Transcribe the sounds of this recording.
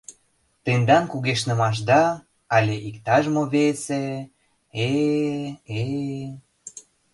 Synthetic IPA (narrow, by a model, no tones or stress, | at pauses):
t̪end̪ɑnkuɣeʃnə̆mɑʃ̬d̪ɑ | ɑlʲeʔikt̪ɑʒmoβese | e | e